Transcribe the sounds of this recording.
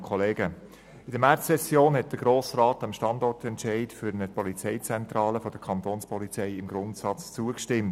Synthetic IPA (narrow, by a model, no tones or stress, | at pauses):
kʰɔleːɡə | ɪdəmært͡sssɛsjoːnhɛt̚d̥əɡ̥ɾoːsrɑːtəmʃtɑndɔrtɛntʃɛɪtfyɾənəpɔlit͡sɛɪt͡sɛntrɑːləfɔd̥əkʰɑntoːnspɔlit͡sɛɪɪmɡ̥ɾʊntsɑt͡st͡suəkʃtɪmt